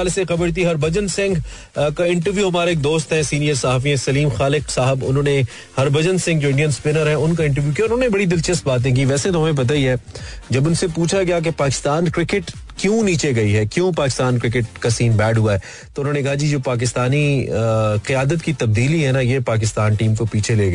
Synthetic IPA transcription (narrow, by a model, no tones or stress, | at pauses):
aːlesexɐbəɽt̪̬iɦɐɾbɐd͡ʒənsɪ̃ŋɡ | kaɪ̃ɳʈəɾʋjuɦɐmaːɾaeːk̚d̪oːst̪ɦɛ̃siːnijəɾsɐɦaːfiẽsɐliːmxaːlɪqsaːɦɪbʊ̰nɦõːne | hɐɾbɐd͡ʒənsɪ̃ŋɡ̚d͡ʒoːɪ̃ɳɖijənspɪnəɾɦɛ̃ʊnkaɪ̃ɳʈəɾʋjukiaːʊɾnɦõnebɐɽid̪ɪlt͡ʃəst̪̚baːt̪̬ẽk̬iʋɛːset̪̬oɦɐmẽp̬ɐt̪̬aiɦɛːd͡ʒɐbʊnsepuːt͡ʃʰakjak̬epaːkɪ̥st̪aːnkɾɪkɪʈ | kjũniːt͡ʃeɡɐiɦɛːkjõːpaːkɪ̥st̪aːnkɾɪk̬ɪʈkasiːnbɛːɖɦuaɦɛː | t̪oʊnɦõːnekɐɦad͡ʒiːd͡ʒoːpaːk̬ɪst̪aːni | qɪjaːd̪ət̪kit̪ɐb̚d̪iːliɦɛnajeːpaːk̬ɪst̪aːnʈiːmkopiːt͡ʃʰeleːɡɐ